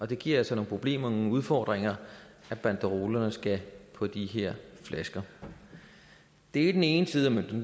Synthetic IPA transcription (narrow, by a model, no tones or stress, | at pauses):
ɒ̽d̥e̝ɡ̥ḭɐ̰ælsɒno̝ːŋ̩pʰʁo̝b̥le̝̰ːmɐnoŋ̩uð̞ˠfɒːd̥ʁeŋɐ | æb̥ænd̥əʁo̝ːlɐnəsɡ̥æpʰɒ̽d̥iɦeɐ̰flæsɡ̥ɐ | d̥e̝ɐid̥ene̝ːnəsiːð̞ˠɐmønd̥en